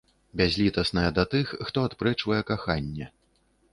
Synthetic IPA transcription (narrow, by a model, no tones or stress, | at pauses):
bʲazʲlʲit̪ɐsnɐjɛd̪ɐt̪ɨxːt̪ɔat̪pɾɛt͡ʂvɐjɛkaxanʲːɛ